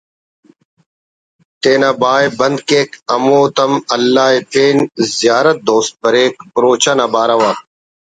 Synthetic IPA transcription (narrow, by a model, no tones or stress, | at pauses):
t̪eːnaːbaːjbɐnd̪keːkɐmoːt̪ɐmɐlːaːepʰeːnzjaːɾət̪̚d̪oːst̪̚pɐɾeːk̚pʊɾoːt͡ɕanɐːbaːɾɐʋaː